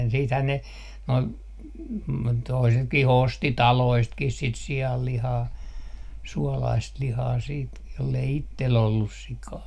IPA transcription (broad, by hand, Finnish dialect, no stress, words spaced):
siːthæn ne noi toisetkih osti tɑloistkih sit siɑlːihɑː suɔlɑist lihɑː siːt jolːei itːel olːus sikɑː